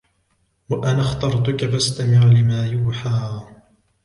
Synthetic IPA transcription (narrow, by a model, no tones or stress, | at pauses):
waʔanaxt̪ɑɾˤt̪ʊkafast̪amɪʕlɪmaːjuːħaː